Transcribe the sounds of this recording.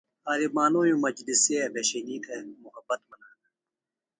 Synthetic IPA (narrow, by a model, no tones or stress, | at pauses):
aːɾimaːnoːjũːmɐd͡ʒlisebeɕiniːkemʊhɐbɐt̪mɐnaːna